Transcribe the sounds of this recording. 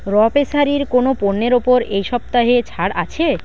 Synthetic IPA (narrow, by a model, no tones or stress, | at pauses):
ɾɔpesaɾiɾkonoponːeɾopoɾejʃɔb̚t̪aɦet͡ɕʰaɽat͡ɕʰe